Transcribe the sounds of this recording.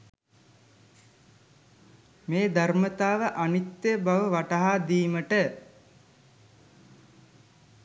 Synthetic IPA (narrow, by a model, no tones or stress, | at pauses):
meːd̪armət̪aːʋəʔanit̪ːebaʋəʋaʈaɦaːd̪iːməʈə